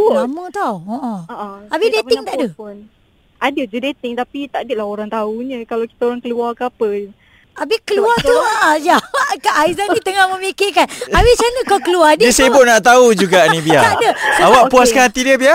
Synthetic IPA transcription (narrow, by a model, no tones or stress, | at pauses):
lamət̪ɔoʔɔʔabideɪŋt̪aʔdəun | ʔadəd͡ʒudet̪ɪŋt̪apit̪aʔdilaɦoɾaŋt̪auɲə̃kalawki̥t̪aoɾaŋkəluarkəapə | ʔabɪkəluat̪uaʔajawaʔkaʔajzannĩt̪əŋahmə̃mekekanawɪt͡ʃanəkawkəluardiəsebʊʔnaʔt̪aud͡ʒuɡaʔnĩbiaʔdəsawaʔpuaskanat̪idiəbia